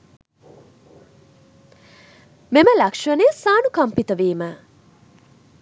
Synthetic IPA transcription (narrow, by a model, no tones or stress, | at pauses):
meməlɐkʂɐneːsaːnukɐmpit̪əʋiːmə